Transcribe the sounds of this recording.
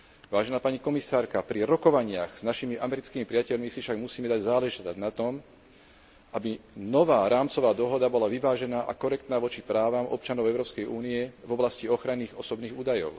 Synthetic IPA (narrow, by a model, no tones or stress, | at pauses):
ʋaːʒɛnaːpaɲikɔmisaːɾkapɾiɾɔkɔʋaɲɪaɣz̥naʃimiʔamɛɾit͡skiːmipɾɪacɛʎmisifʃaɡmusiːmɛd̪aɟzaːlɛʒɛt̪anat̪ɔm | ʔabinɔʋaːɾaːmt͡sɔʋaːd̪ɔɦɔd̪abɔlaʋiʋaːʒɛnaːʔa̰kɔɾɛk̚t̪naːʋɔt͡ʃipɾaːʋamʔɔ̰p̚t͡ʃanɔʊɛʊɾɔːpskɛjʔuːniɛvɔblasciɔxɾanːiːɣɔsɔbniːɣuːd̪ajɔ̰ʊ